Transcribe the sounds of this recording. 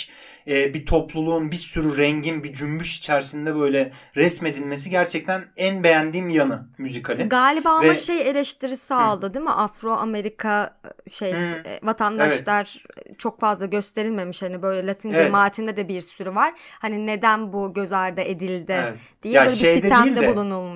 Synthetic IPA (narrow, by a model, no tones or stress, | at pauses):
ɛːbit̪ʰo̞plˠulˠuːnbisyɾyɾɛɲɟinbid͡ʒymbyʃi̥t͡ʃʰæɾsind̪ɛbø̞jlʲɛɾɛsme̞d̪ilʲme̞siɟæɾt͡ʃʰɛc̚t̪ʰænænbejænd̪iːmjanɯmyzikʰalʲiɡaːlʲibaːaɛmaʃeje̞lʲeʃt̪ʰiɾisaːlˠd̪ɯd̪imḭʔafɾo̞ʔame̞ɾikʰaʃej̰vat̪ʰand̪aʃlˠaɾt͡ʃʰo̞kfazlˠaɟø̞st̪ʰe̞ɾilʲme̞miʃhanibø̞jlʲɛlʲat̪ʰind͡ʒemaːt̪ʰind̪ɛd̪ɛbiɾsyɾyvaɾ̥hanine̞d̪ænbuɟø̞zaɾd̪aʔed̪ilʲd̪ɪɛt̪d̪̥ijɛbøːlʲɛbejid̪d̪ʰimid̪ɛd̪ɛbulˠunɯlˠmuʃ